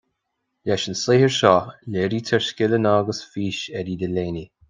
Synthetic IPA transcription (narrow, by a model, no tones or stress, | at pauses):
lɛʃənsleːhəɹʃɔːlɛɾiːt̪ʰɛɹskʲɪlənaːɡəsfiːʃɛɾid̪əleːni